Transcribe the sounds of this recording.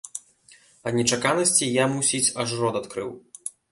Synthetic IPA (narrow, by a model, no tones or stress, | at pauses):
ɐnʲɛt͡ʂakanɐsʲt͡sʲijamusʲit͡sʲaʐrɔd̪at̪kɾɨ̰w